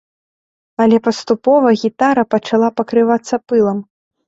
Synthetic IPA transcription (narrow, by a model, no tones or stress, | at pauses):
ɐlʲɛpɐst̪upɔvɐɣʲit̪aɾɐpɐt͡ʂalˠapɐkɾɨvat̪sːɐpɨlˠɐm